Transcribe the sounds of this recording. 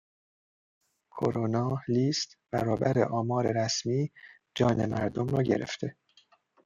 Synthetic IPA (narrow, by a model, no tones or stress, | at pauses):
kʰo̰ɾonɒːliːst̪b̥æɾɒːbæɾḛʔɒːmɒːɾe̞ɾæsmiː | d͡ʒɒːne̞̰mæɾd̪o̞mrɒːɟe̞̰ɾḛft̪ʰe̞